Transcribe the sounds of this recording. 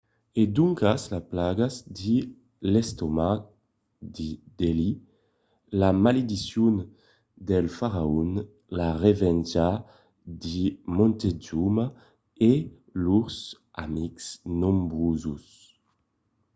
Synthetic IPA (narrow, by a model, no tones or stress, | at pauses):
ed̪uŋkaslaplaɡazd̪i | lɛst̪oma | d̪id̪eli | lamaled̪isjun | d̪ɛlfaʁaun | laʁevɛnd͡ʒa | d̪imɔnt̪ed͡ʒuma | e | lus | amiksnombʁuzus